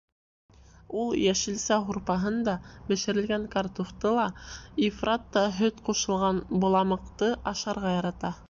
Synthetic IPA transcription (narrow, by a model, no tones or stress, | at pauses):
ulˠjæʃɘ̆lsæɦuɾpɑɦɤnd̪ɑbɘ̆ʃɘ̆ɾɘ̆lɡæŋkɑrt̪uft̪ɤlˠɑifrat̪ːɑɦɵt̪quʃɤ̆lˠʁɑnbŏlˠɑmɤ̆qt̪ɤʔɑʃɑɾʁɑjɑɾɑt̪ɑ